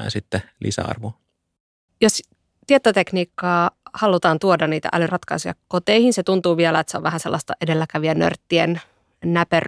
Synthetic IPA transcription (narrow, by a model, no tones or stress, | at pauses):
ænsit̪ːelḭsæ̰ɑ̰rʋu | jos | t̪iet̪ːot̪ekniːkːɑːhɑlut̪ɑːnt̪uodɑnniːt̪æ̰ʔæ̰lyrɑt̪kɑisujɑ̰kot̪eihinset̪unt̪uːʋielæet̪seo̰ʋʋæhæselːɑst̪ɑʔedelːækæʋiænø̰rt̪ːien | næpør